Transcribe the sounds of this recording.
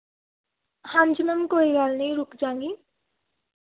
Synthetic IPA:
hãnd͡ʒnəmkoːiɡaːlnəĩɾʊkd͡ʒãːŋɡi

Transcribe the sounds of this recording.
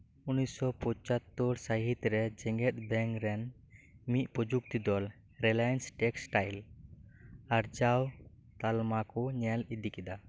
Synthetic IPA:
unisɔpɔt͡ʃat̪ːɔɾsaɦit̪ɾɛd͡ʒɛŋɡɛt̪̚ˀbɛŋɾɛn | miʔ̪̚pɔd͡ʒuk̚t̪id̪ɔl | ɾɛlajansʈɛksʈajl | aɾd͡ʒawt̪almakɔɲɛlid̪ikɛd̪a

